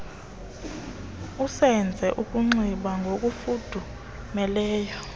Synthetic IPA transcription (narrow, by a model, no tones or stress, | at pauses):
usɛnd͡zʱɛʔukʼuŋ͡ǀiɓaŋɡʱok̬ʼufud̥ʱu | mɛlɛːjɔ